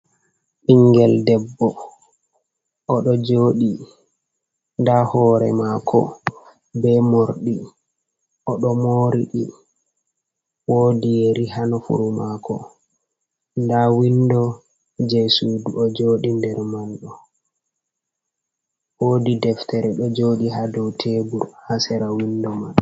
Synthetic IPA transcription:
ʔiŋɡɛldɛbːɔ | ʔɔɗɔd͡ʒoːɗi | ndahɔːɾɛ̰makʰɔ̰ | bɛmoɾɗi | ʔɔɗɔmoːɾiɗi | woːdijeɾiɦanɔfṵɾumakɔ̰ | ndawindɔ | d͡ʒesuːduʔɔd͡ʒoːɗindɛɾmanɗɔ | wodidɛftʰɛɾɛɗɔd͡ʒoːɗiɦadɔwtʰebuɾhasɛɾawindɔman

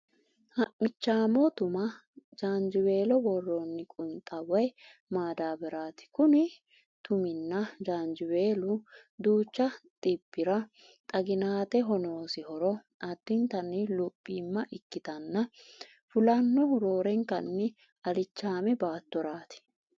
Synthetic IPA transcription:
hɐʔmɪt͡ʃːaːmɔt̪ʊmɐ | d͡ʒaːnd͡ʒɪwe̞ːlɔbɔrːɔnːɪkʼʊnt̪ʼːɐwɔj | maːd̪aːbɛɾaːt̪ɪ̥kʊnɪ | t̪ʊmɪnːɐd͡ʒaːnd͡ʒɪwe̞ːlʊd̪uːt͡ʃːɐt̪ʼɪbːɪɾɐ | t̪ʼɐɡɪnaːt̪ɛɦɔnoːsɪhɔɾɔ | ɐd̪̥ːɪnt̪ɐnːɪlʊpʼːiːmːɐʔɪkːɪt̪ɐnːɐ | fʊlɐnːɔhʊɾo̞ːɾɛŋkɐnːɪ | ɐlɪt͡ʃːaːmɛbaːt̪ːɔɾaːt̪ɪ̥

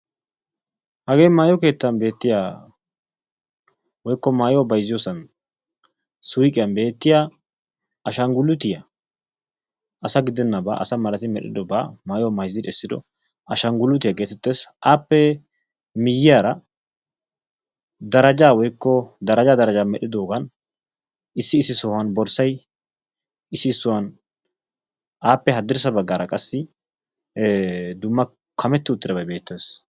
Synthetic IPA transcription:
hɐɡe̞ːmaːjɔke̞ːt̪ːɐnbe̞ːt̪ːɪjaː | wɔjkːɔmaːjobɐjzɪjoːsɐn | sʊjkʼɪjɐnbe̞ːt̪ːɪjaː | ɐʃɐŋɡʊlːʊt̪ɪjɐ | ʔɐsɐɡɪd̪ɛnːɐba̰ːʔɐsɐmɐɾɐt̪ɪmɛɗɪ̰d̪ɔba̰ːmaːjɔmɐjzːɪd̪ɛsːɪd̪ɔ̰ | ɐʃɐŋɡʊlʊt̪ɪjaɡe̞ːt̪ɛt̪ːe̞ːsʔaːpːɛ | mɪjːɪjaːɾɐ | d̪ɐɾɐd͡ʒaːwɔjkːɔd̪ɐɾɐd͡ʒaːd̪ɐɾɐd͡ʒaːmɛɗɪd̪o̞ːɡɐn | ɪsːɪːsːɪsɔːhwɐnbɔɾsɐj | ɪsːɪːsːʊwɐn | ʔaːpːɛɦɐd̪ːɪɾsɐbɐɡːaːɾɐkʼɐsːɪ | d̪ʊmːɐ | kʰɐmɛt̪ːɪʊt̪ːɪd̪ɐbɐjbe̞ːt̪ːe̞ːs

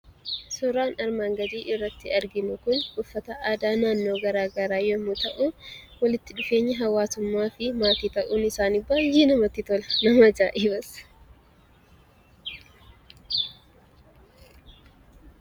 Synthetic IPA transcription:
sɔɾaːnɐɾmaːŋɡɐd̪iːʔɪrːɐt̪ːɪɐɾɡɪnʊkʊnkʼʊfːɐt̪ɐʔaːd̪aːnaːnːo̞ːɡɐɾaːɡɐɾaːjɔmʊt̪ɐʔʊwɐlɪt̪ːɪᶑʊfe̞ːɲːɐɦɐwaːsʊmːaːfɪmaːt̪iːt̪ɐʔuːnɪsaːnɪbːaːjinɐmɐt̪ːɪt̪ɔlɐnɐmɐd͡ʒaːʔiːbɐs

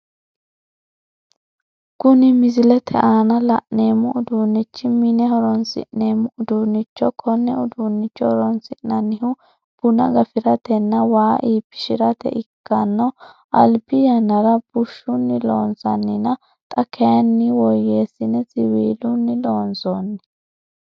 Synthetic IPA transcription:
kʊnɪmɪzɪlɛt̪ʰɛ̰ʔaːnɐlɐ̰ʔneːmːʊʔʊd̪unːɪt͡ʃːɪminɛhɔɾɔnsɪ̰ʔneːmːʊʊd̪unːɪt͡ʃːɔkʰɔnːɛʊd̪unːɪt͡ʃːɔhɔɾɔnsɪʔnɐnːɪhʊ | b̥ʊnɐ̰ɡɐfɪɾɐt̪ɛnːɐwaːʔiːpːɪ̥ʃɪɾɐt̪ɛ̰ʔɪkːɐnːɔ | ʔɐlbɪjɐnːɐɾɐb̥ʊʃːʊnːɪloːnsɐnːɪnɐ | t̪ʼɐkʰːɛjɐnːɪwɔjːeːsːɪnɛsɪwiːlʊnːɪlo̞ːnsoːnːɛ

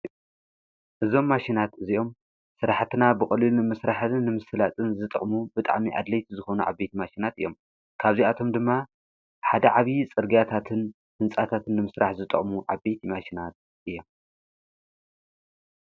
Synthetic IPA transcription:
ʔɨzo̞mːaʃinat̪ɨziʔo̞m | sɨɾaħt̪ɨnabɨxʼɐlilunɨmɨsɾaħnːɨmɨsɨlat̪ʼɨnzɨt̪ʼɨ̰χʼmubɨt̪ʼa̰ʕmiʔa̰d̪lɐjt̪ʰizɨxonuʕa̰βbet̪ʰimaʃinat̪ʔɨ̰jːo̞m | kʰaβziat̪ʰo̞md̪ɨmːa | ħad̪ɐʕaβjit͡sʼɨɾɡiat̪ʰat̪ʰɨn | hɨnt͡sʼat̪ʰat̪ʰɨnːɨmɨsɾaħzɨt̪ʼɨ̰χʼmuʕaβbejt̪ʰimaʃinat̪̚ | ʔɨjːo̞m

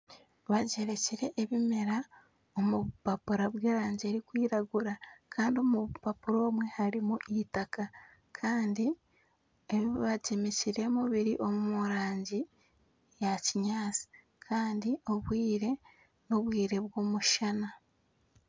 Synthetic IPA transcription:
βaɟe̞ɾe̞ciɾe̞ʔːβime̞ɾa | o̞mupapuɾaβweːɾaːɲɟieɾikwiːɾaɡuɾakʰaːndio̞muβpapuɾo̞ːmwe̞haɾimuʔitaka | kʰaːndi | eβiβaɟemeciɾe̞muβiɾiʔo̞mumuɾaːɲɟi | jaciɲaːt͡si̥ | kʰaːndio̞βwiːɾe̞ | noβwiːɾe̞βwo̞ːmuʃana

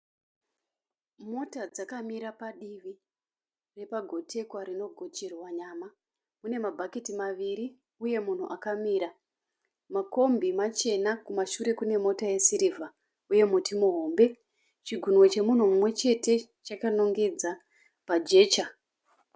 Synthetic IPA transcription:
mo̞tad͡zakamiɾapaɗiʋi | re̞paɡʱo̞tʰe̞kwarino̞ɡʱo̞t͡ʃirwaɲaːma | mune̞mabʱakitimaʋiɾi | uje̞mun̤ṵʔakamiːɾa | mako̞mbimat͡ʃe̞nakumaʃuɾe̞kune̞mo̞taje̞siɾivʱa | uje̞mutimuɦoːmbe̞ | t͡ʃiɡʱunwot͡ʃe̞mun̤umumwe̞t͡ʃe̞te̞ | t͡ʃakano̞ŋɡe̞d͡za | pad͡ʒe̞ːt͡ʃa

